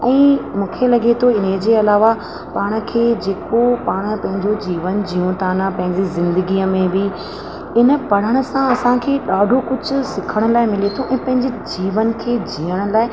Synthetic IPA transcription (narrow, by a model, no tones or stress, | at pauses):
ɛ̃ːmũːkʰelɐɠet̪ʰoɪnɦed͡ʑeːɐlaːʋa | paːɽ̃ə̆kʰeːd͡ʑeːkopaːɽ̃pɐ̃ɦɪ̃ɲd͡ʑod͡ʑiːʋənd͡ʑiːõt̪ʰaːnapɐ̃ɦɪ̃ɲd͡ʑizɪ̃nd̪əɡiːəmẽbɪ | ɪnə̆pɐɽ̤əɽ̃ʊ̆sãɐsãkʰeːɗaːɖʱokʊd͡ʑʱʊ̆sɪkʰəɽ̃ʊ̆laːɪmɪlet̪ʰoʔɛ̃ːpɐ̃ɦɪ̃ɲd͡ʑed͡ʑiːʋənkʰeːd͡ʑiːəɽ̃ə̆laːɪ